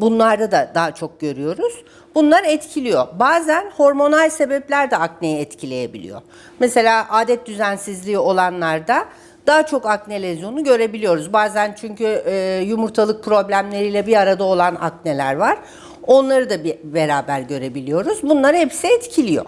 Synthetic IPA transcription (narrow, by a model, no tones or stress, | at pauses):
bunlˠaɾd̪ad̪ad̪aɦat͡ʃʰo̞k̚ɟø̞ɾyjo̞ɾuz̥ | bunlˠaɾɛt̪cʰilʲijo̞baːzænho̞ɾmo̞nalʲse̞bɛplʲæɾd̪ɛakne̞jɛɛt̪cʰilʲe̞je̞bilʲḭjo̞̰ | mese̞lʲaːʔaːd̪ɛt̪̚d̪yzænsizlʲiːo̞lˠanlˠaɾd̪a | d̪̥aːat͡ʃʰo̞kaknelʲezunuɟø̞ɾe̞bilijo̞ɾuzbaːzænt͡ʃʰyɲcʰyːjumuɾt̪ʰalˠɯk̚pʰɾo̞blʲæmlʲe̞ɾijlʲɛbiaɾad̪ao̞lˠana̰kne̞lʲæɾvaɾ̥ | o̞nlˠaɾɯd̪abibeɾaːbæɾɟø̞ɾe̞bilʲijo̞ɾuzbunlˠaɾɯhɛpsiɛt̪cʰilʲijo̞̰